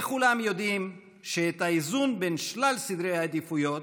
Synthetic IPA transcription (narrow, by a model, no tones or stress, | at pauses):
kulamjo̞d̪im | ʃeet̪aizunbenʃlalsid̪ɾejhaed̪ifujo̞t